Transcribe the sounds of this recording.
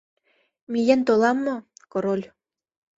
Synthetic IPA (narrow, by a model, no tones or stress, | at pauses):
mijent̪olɑmːŏkoɾolʲ